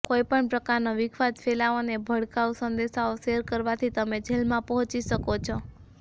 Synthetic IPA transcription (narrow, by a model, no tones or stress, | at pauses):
koipəɳpɾəkaɾnoʋɪkʰʋad͡ʒfʰelaonebʱəɽkausənd̪eʃaoʃeɾkəɾʋat̪ʰit̪əmed͡ʒʱelmãpɔɦɔ̃t͡ʃiʃəkot͡ʃʰo